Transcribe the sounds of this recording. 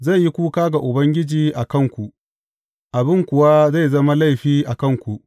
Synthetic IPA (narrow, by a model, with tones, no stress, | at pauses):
za˦˨jːi˦kʷuː˦kaː˦ɡa˨ʔʊ˨bɐ˦ŋɡʲɪ˦d͡ʒiː˨ʔa˨kɐ˦˨ŋkʷu˨ʔ | ʔa˨bɪ˦ŋkʷʊ˨wa˦za˦˨jzɐ˦ma˦la˦˨jɸiː˦ʔa˨kɐ˦˨ŋkʷu˨ʔ